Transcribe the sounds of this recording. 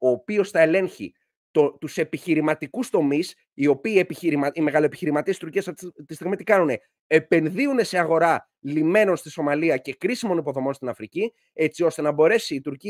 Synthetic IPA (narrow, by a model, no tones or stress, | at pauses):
o̞ːpio̞sθɐele̞nçḭ | t̪ot̪use̞piçiɾimɐt̪ikust̪o̞mis | io̞piːe̞piçiɾimɐime̞ɣɐlopiçiɾimɐt̪iest̪uɾciest̪ist̪iɣmit̪ikɐnune̞ | epe̞nðiune̞se̞ɐɣo̞ɾɐ | lime̞no̞nst̪iso̞mɐliɐce̞kɾisimo̞nipo̞ðo̞mo̞nst̪inɐfɾici | e̞t͡sio̞st̪e̞nɐbo̞ɾe̞siːt̪uɾci